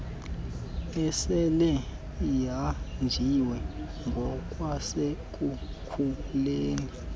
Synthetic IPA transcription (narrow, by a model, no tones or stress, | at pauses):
ɛsɛlɛ | jand͡ʒʱiwɛŋɡʱɔk̬ʼwasek̬ʼu | kʰuleːni